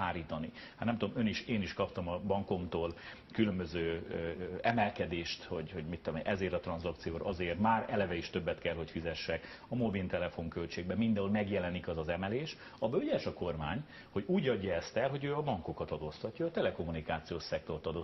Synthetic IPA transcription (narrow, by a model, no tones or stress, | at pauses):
aːɾiːt̪ɒni | ha̰t̪nɛmt̪ud̪omøniʃeːniʃkɒpt̪ɒmɒbɒŋko̞mt̪oːl | kylømbøzøː | ɛmɛlkɛd̪eːʃt̪hoɟhoɟmit̪ːolomʔɛzeːɾt̪ɒt̪rɒnzɒkt̪sijoːɾɒzeːrt̪maːɾɛlɛvɛiʃt̪øbːɛt̪kɛlɦo̞cfizɛʃːɛk | ɒmo̞bilt̪ɛlɛfo̞ŋkølt͡ʃeːɡ̚bɛmind̪ɛɦolmɛɡjɛlɛnikɒzɒzɛmɛleːʃ | ɒbølɟɛʃɒko̞rmaːɲ | ho̞ɟuːɟɒɟːɒɛst̪ɛlɦo̞ɟøːɒbɒŋko̞kɒt̪ɒd̪oːst̪ɒcːɒːt̪ɛlɛko̞mːunikaːt̪sijoːʃsɛk̚t̪o̞rt̪ɒd̪oː